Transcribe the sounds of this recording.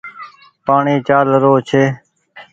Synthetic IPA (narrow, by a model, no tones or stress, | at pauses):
paːɳeːt͡ʃaːləɾoːt͡ʃʰeː